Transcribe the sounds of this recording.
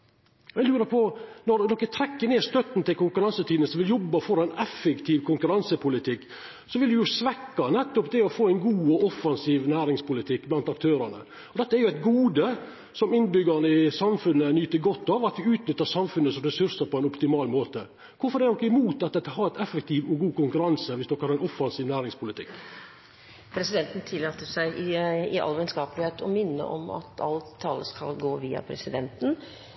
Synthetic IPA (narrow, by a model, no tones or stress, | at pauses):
ɛlʉːɾəpʰɔnɔɾd̪ɔkːət̪ʰɾɛkːəɳeːst̪œt̪n̩t̪ʰɪlkʊŋkʉɾɑnsət̪ʰiːd̪nəsʋɪljɔbːəfɔɾɑæɪnɛfːɛkt̪ʰiːʋkʰʊŋkʉɾɑnsəpʰʊlɪt̪ʰɪkː | sɔʋɪld̪ʉjʊsʋɛkːɑnɛt̪ːɔpd̪ɛɔfoːɛɪnɡuːɔɔfːɑnsiːʋnæːɾɪŋspʊlɪt̪ʰɪkːblɑnt̪ɑk̚t̪ʰøːɾɑnə̰ | ɔd̪ɛt̪ːəæɾjʊæɪt̪ɡuːd̪ə | sɔmɪnbʏɡənəɪsɑmfʉnːənyːt̪əɡɔt̪ːɑʋɑt̪ʋɪʉːt̪nʏt̪ːəɾsɑmfʉnəsɔmɾɛsʉɾsəɾpʰɔɛɪnɔpt̪ɪmɑːlmoːt̪ə | kʰʊɾfɔɾd̪ɛnɔkːəɪmuːt̪ɑt̪̚ɛt̪ːəhɑɾæt̪ɛfək̚t̪ʰiːʋɔɡuːkʊŋkʉɾɑnsəʋɪsd̪ɔkːəhɑɾɛnɔfɑnsiːʋnæːɾɪŋspʊlɪt̪ʰɪkː | pʰɾɛsɪd̪ɛnt̪n̩t̪ʰɪlɑːt̪əsæɪɪɪʔɑ̰lːʋɛnskɑːplɪheːt̪ʰɔmɪnːə̰ʔɔ̰mɑ̰t̪ʰɑ̰lt̪ʰːɑːləskɑ̰lɡoːʋiːɑ̰pʰɾɛ̰sɪd̪ɛnt̪n̩